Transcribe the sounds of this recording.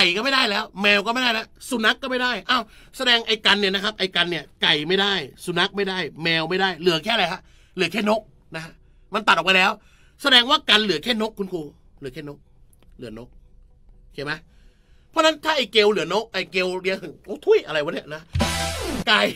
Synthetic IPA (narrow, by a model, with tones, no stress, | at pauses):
ka˨˩jkɔː˥˩ma˥˩jdaː˥˩jlɛː˦˥wmɛː˧wkɔː˥˩ma˥˩jda˥˩na˦˥su˨˩na˦˥kːɔː˥˩ma˥˩jdaː˥˩jʔaː˧˩w | sa˧dɛː˧ŋʔa˧jka˧nːi˥˩ɐna˦˥kʰa˦˥p̚ʔa˧˩jka˧nːi˥˩ɐka˨˩jma˥˩jdaː˥˩jsu˨˩na˦˥k̚ma˥˩jdaː˥˩jmɛː˧wma˥˩jdaː˥˩jlɯ˨˩˦ɐkʰɛː˥˩˨ɾa˧jkʰa˦˥ | lɯ˨˩˦kʰɛː˥˩no˦˥k̚ | na˦kʰa˦˥ʔ | ma˧nt̪a˨˩˨pa˧lɛː˦˥w | sa˧dɛː˧ŋwaː˥˩ka˧nlɯ˨˩˦ɐkʰɛː˥˩no˦˥kʰːu˧nkʰuː˧ | lɯ˩˦kʰɛː˥˩no˦˥k̚ | lɯ˨˩˦ɐno˦˥k̚ː | kʰeː˧˩ma˦˥ | pʰɔː˦˥˨na˦˥nt̪ʰaː˥˩ʔa˨˩jke˧wlɯ˨˩˦ɐno˦˥k̚ʔa˨˩jke˧wɾi˧˥əŋ˧ʔo˧˩t̪ʰu˧˥˩jʔa˧ɾa˧jwa˦˥nːi˦˩˨na˦˥˧ | ka˨˩j